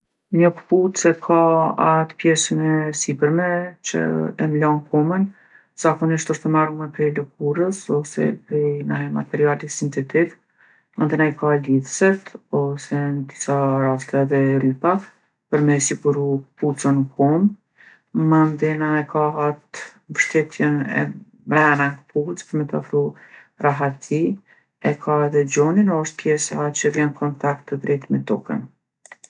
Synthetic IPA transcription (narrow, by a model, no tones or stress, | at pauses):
ɲəkput͡sɛkʰaat̪pjɛsənɛsipəɾmɛt͡ʃə̰ɛmlɔnkʰɔmən | z̥akɔniʃt̪ɔʃt̪əmarmɛpɾɛlək̚uɾəsɔsɛ̰pɾinaɛma̰t̪ɛɾialisint̪ɛt̪iv | mənd̪ɛnajkaliðsɛt̪ɔsɛnd̪isaɾast̪aðɛɾypa | pəɾmɛsikuɾuput͡sənkʰɔm | mənd̪ɛnaɛkʰaɦat̪ | vəʃt̪ɛt̪ʰjɛnɛ̰ | mɾɛnankput͡spəɾmɛt̪afɾu | raɦat̪ʰi | ɛkʰaɛðɛd͡ʑɔninɔɔʃt̪̚pjɛsat͡ɕəɾjankʰɔnt̪ak̚t̪ːəd̪ɾɛt̪mɛt̪ɔ̰kə̰n